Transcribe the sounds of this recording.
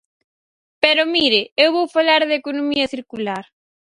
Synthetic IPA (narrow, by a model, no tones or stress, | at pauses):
pɛɾʊmiɾɪewβowfalaɾðekonomiɐθiɾkulaɾ